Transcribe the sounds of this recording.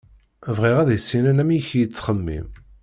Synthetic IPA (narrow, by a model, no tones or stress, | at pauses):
vʁiʁæðsːinænæmijçjət͡sːχəmːḭm